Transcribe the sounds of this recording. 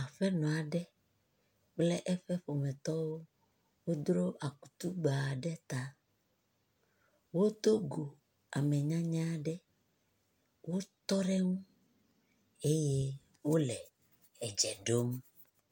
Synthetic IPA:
a˨ɸɛ˦nɔ̃˨a˨ɖɛ˦ | k͡plɛ˦ʔɛ˦ɸɛ˦ɸo˨mɛ̃˨t̪ɔ˦wo˦ | wo˦d̪ɾo˦ʔa˨ku̥˨t̪u˦ɡ͡ba˨ɖɛ˦t̪a˨ | wo˦t̪o˦ɡo˨ | a˨mɛ˨ɲã˦ɲã˦ɖɛ˦ | wo˦t̪ɔ˦ɾɛ˦ŋũ˦ | e˦je˦ | wo˦lɛ˨ | ɛ˨d͡ʒɛ˨ɖo˦m

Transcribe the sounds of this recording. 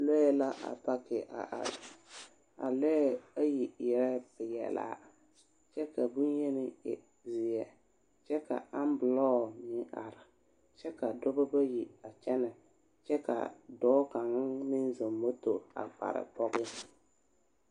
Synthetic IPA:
lɔ˦ɛ˦la˦ʔa̰˨pa˦kɪ˨ʔa̰˨ʔ | a̰˨lɔ˦ɛ˦a˦ji˨jɛ˨ɾɛ˦pɪ˨jɛ̰˨la̰ː˨˦ | t͡ʃɛ˦ka˨bu˦njɛ˦nɪ˦ɛ̰˨ | zɪ˨ɛ˨ | t͡ʃɛ˦ka̰˨a˦m˦bʊ˨lɔː˦˨nɪ˦ʔa̰˨ɾɪ˨ | t͡ʃɛ˦ka˨dʊ˦ba˦ba˦ji˨a˨t͡ʃɛ˦nɛ˨ | t͡ʃɛ˦ka̰˨dɔː˦ka˨ŋ˦nɪ˦n˦zo˨mːo˦to˨a̰˨k͡pa̰˨ɾɪ̰˨pɔ˦ɣɪ˦

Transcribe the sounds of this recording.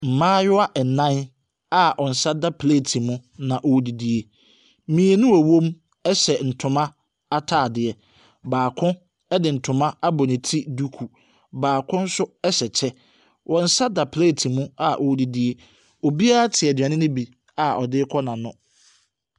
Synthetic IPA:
m̩˨mãː˦jʊ˦a˦ʔɛ˨nã˦n | a˦ʔɔ˨n̩˨sa˦da˦pʰle˦˨tʰi˨mʊ̃˦nã˨ʔɔ˦di˨di˦e˦ | mĩ˨e˨nʊ̃˦æ˨wõ˦m | ɛ˦ɕɛ˨n̩˨tʰʊ̃˨mã˦ | a˦tʰaː˦˨dɪ˨ɛ˨ | baː˨kʰʊ̃˦ | ɛ˦dɪ˨n̩˨tʰʊ̃˨mã˦a˦bɔ˨nɪ̃˨tʰi˦du˦kʰu˨ | baː˨kʰʊ̃˦n̩˦sʊ˦ɛ˦ɕɛ˨t͡ɕʰɛ˦ | wʔɔ˨n̩˨sa˦da˨pʰle˦˨tʰi˨mʊ̃˦a˦ʔɔ˨˦di˨di˦e˦ | ɔ˨bi˦a˦a˦tʰɪ˨ɛ˨da˨nɪ̃˦nʊ̃˦bi˨ | a˨ɔ̰˨dɪ˦kʰɔ˦nã˨nʊ̃˦

